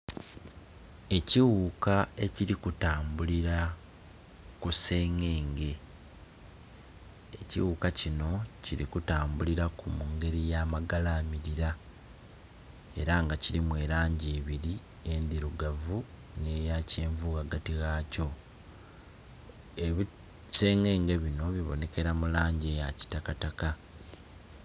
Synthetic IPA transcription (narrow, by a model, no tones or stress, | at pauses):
e̞ciɣuːkae̞ciɾikutaːmbuliɾa | kuse̞ːŋe̞ːŋɡe̞ | eciwuːkacino̞ciɾikutaːmbuliɾakumuŋɡe̞ɾijaːmaɡalaːmiɾiɾa | e̞ɾaŋɡaciɾimwe̞ːɾaːɲɟeːβiɾi | e̞nd̪iɾuɡavu | ne̞jace̞ːɱvuːɣaɡatiɣaːco̞ | eβi | se̞ːŋe̞ːŋɡe̞βino̞βiβo̞̰ne̞ke̞ɾamulaːɲɟeːjaci̥takataka